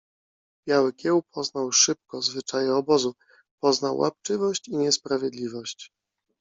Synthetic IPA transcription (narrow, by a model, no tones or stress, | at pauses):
b̥ʲjawɘkʲjɛwpʰɔznawʂɘp̚kɔzvɘt͡ʂajɛɔbɔzu | pɔznawːʔa̰pt͡ʂɘvɔɕt͡ɕiɲɛspɾavʲjɛd̪lʲivɔɕt͡ɕ